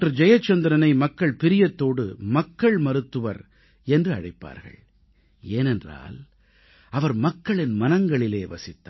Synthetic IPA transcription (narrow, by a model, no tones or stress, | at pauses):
ʈrɯd͡ʒɐjɐt͡ʃːɐnd̪ɪɾɐnɐɪmɐkːɐɭpɪɾɪjɐt̪ːoːɽɯmɐkːɐɭmɐɾɯt̪ːɯʋɐ̰ɾ | ɛndrɯɐ̰ɻɐɪpːa̰ːɾɣɐ̰ɭ | eːnɛndra̰ːl | ɐʋɐɾmɐkːɐɭɪnmɐnɐŋɡɐɭɪleːʋɐsɪt̪ːa